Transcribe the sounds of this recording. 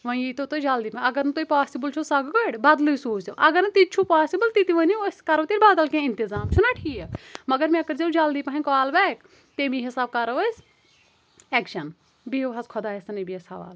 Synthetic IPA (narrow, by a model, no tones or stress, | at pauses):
ʋɐ̃jit̪ot̪oːid͡ʒaːld̪iːpɐɦĩɐɡɐɾnɨt̪oːipaːsibɐlt͡ʃʰosɐɡɡɐɽbɐd̪luisoːsɐʔɐɡɐɾnɨt̪it̪̚t͡ʃʰupaːsibɐlt̪it̪iʋɐ̃niskɐɾɐːt̪iɾbaːd̪ɐlkẽːɪnt̪izaːmt͡ʃʰunaːʈʰiːjemɐɡɐɾmĩɐkɐɾzeud͡ʒaːld̪iːpɐ̃ɦɐ̃kaːlbɛːk | t̪emĩɦisaːb̚kɐɾɐʋɐs | ɛːkʃɐn | biʋɦɐzkʰɔd̪aːesɐnɐbijɐsɐʋa̰ːl